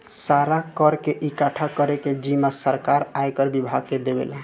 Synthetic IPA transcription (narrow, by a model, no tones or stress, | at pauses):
saɾakəɾkeʔikaʈʰakəɾeked͡ʒimasəɾkaɾajkəɾbibʱaɡːed̪ebḛla